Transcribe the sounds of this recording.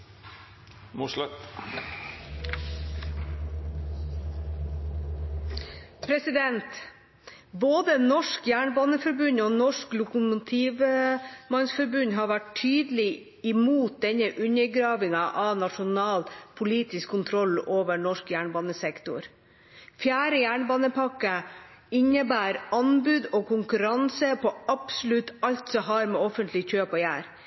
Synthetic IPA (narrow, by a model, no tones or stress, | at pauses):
muʂl | pʰɾɛsɪd̪ɛnt̪ | boːd̪ənɔʂkjæːɳbɑːnəfɔɾbʉnoːnɔʂklʊkʊmʊt̪ʰiːʋmɑnsfɔɾbʉnɦɑːʋæʈʰyːd̪lɪ | ɪmuːt̪̚d̪ɛnːəʔʉnːəɾɡɾɑːʋɪŋɑʔɑʋnɑʂʊnɑːlpʰʊliːt̪ɪskʰːʊnt̪ʰɾɔlːoːʋəɳɔʂkjæːɳbɑːnəsɛkt̪ʊ̰ɾ | fjæːɾəjæːɳbɑːnəpʰɑkːəɪnːəbæːɾɑnbʉːd̪ɔkʰʊŋkʉɾɑnsəpɔɑpsʊlʉt̪ːɑlt̪sɔɦɑɾmɛɔfənt̪ʰlɪçøːpɔjæ̰ːɾ